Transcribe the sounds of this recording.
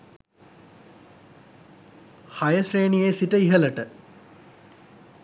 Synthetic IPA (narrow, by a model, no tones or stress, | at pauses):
hajəʃreːnijeːsiʈəiɦələʈə